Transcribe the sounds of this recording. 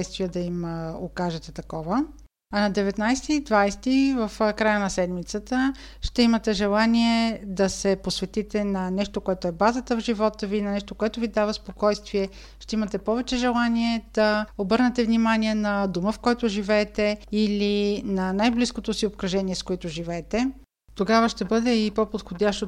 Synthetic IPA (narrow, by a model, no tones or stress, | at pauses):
jst̪vijəd̪ɐimokaʒɛt̪ɛt̪ɐkɔvə | ɐnɐd̪ɛvɛt̪najst̪iːd̪vajst̪ivəfkɾajənɐsɛd̪mit̪sət̪ə | ʃt̪ɛimɐt̪ɛʒɛlˠaniɛd̪ɐsɛposvɛt̪it̪ɛnɐnɛʃt̪okoɛt̪oɛbazət̪əvʒivɔt̪əvinɐnɛʃt̪okoɛt̪ʊvid̪avəspokɔjst̪viɛ | ʃt̪ɛimət̪ɛpɔvɛt͡ʃɛʒɛlˠaniɛd̪̥ɐobɤɾnɛt̪ɛvnimaniɛnɐd̪uməfkɔjt̪ʊʒivɛːt̪ɛilinɐnajbliskot̪osiopkɾɐʒɛniɛskoɛt̪ʊʒivɛːt̪ɛ | t̪oɡavəʃt̪ɛbɤd̪ɛipopot̪xod̪ʲaʃt̪o